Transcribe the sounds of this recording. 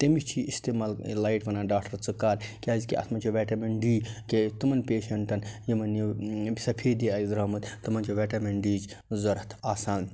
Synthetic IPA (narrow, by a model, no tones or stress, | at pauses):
t̪emit͡ʃʰiist̪eːmaːllajʈʋɐnaːɖaːkʈɐɾt͡sɨkaːɾkʲaːzkḭʔɐ̰t̪ʰmɐt͡ʃʰiʋeːʈɐmeɳɖiːket̪ɨmɐnpʲeːʃɐɳʈɐnjimɐnjisɐpʰeːd̪iaːjzɾɐːmɐt̪t̪ɨmɐnt͡ʃʰiʋeːʈɐmeɳɖiːd͡ʒ | zɐɾɐt̪ʰaːsaːn